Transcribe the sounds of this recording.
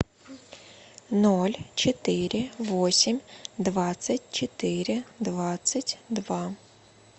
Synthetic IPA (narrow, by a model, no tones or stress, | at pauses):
nɔlʲt͡ʃɔt̪ɪɾʲɪʋɔsʲimʲd̪ʋɑt͡sʲːɐtʲt͡ʃɔt̪ɪɾɪd̪ʋɑt͡sʲːɐtʲd̪ʋɑ